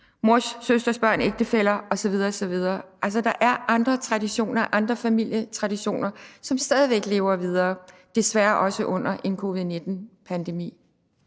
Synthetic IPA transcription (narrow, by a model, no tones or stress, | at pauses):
moɐsːøsd̥ɐsb̥ɶɐ̰ne̝ɡ̥̚d̥əfel̰ɐɒ̽sɒ̽ʋið̞ˠɐːsɒ̽ʋið̞ˠɐːʔæls̬ɒd̥ɑ̈ʔæɐʔɑ̈nd̥ʁɐt͡sʰʁɑ̈diɕo̝̰ːnɐʔɑ̈nd̥ʁɐfæmil̰jət͡sʰʁɑ̈diɕo̝̰ːnɐsɒ̽msd̥ɛːð̞ˠiʋeɡ̥le̝̰ːʊɐʋið̞ˠɐːd̥e̝sʋæːɐʔɒ̽səʔɔ̽n̰ɐʔe̝nkʰo̝ːʋiðˠne̝d̥n̩pʰænd̥e̝mḭː